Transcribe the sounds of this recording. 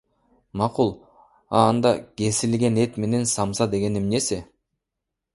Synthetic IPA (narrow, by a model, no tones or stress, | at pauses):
mɑqulˠ | ɑ̰ːnd̪ɑke̞silɡʲe̞ne̞t̪me̞ne̞nsɑmsɑd̪e̞ɡʲe̞nemne̞sɪ